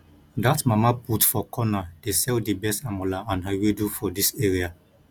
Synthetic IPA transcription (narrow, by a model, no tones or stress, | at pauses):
datmamaputfɔkʰɔnadesɛldibɛstamɔlaãnɦawedufɔdiseɹia